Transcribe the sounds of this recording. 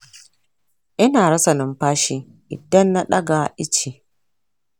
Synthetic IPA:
ʔɪ˦naː˨ɾɐ˦sɐ˨nɪ˦mɸaː˦ʃiː˦ | ʔɪ̰˨dɐ˦nːa˦ɗɐ˦ɡa˨ʔɪ˦t͡ʃi˨

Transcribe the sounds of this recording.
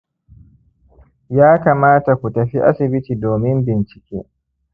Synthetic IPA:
jaː˦kaː˨maː˦ta˨kʷu˨tɐ˨ɸi˦ʔa̰˦sɪ˨bɪ˦tiː˨doː˨mɪ˦mbɪ˨nt͡ʃɪ̥˨kʲḛː˦

